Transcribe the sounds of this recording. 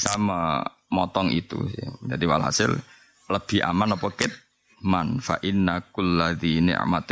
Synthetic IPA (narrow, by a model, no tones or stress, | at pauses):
samə | mɔt̪ɔŋḭt̪ṵsd͡ʒadiwaalɦa̰sɪl | ləb̥i̤ʔa̰manɔpɔkɪt̪̚ | manfa̰ʔɪnːakʊlːaðinɪ̰ʕma̰t̪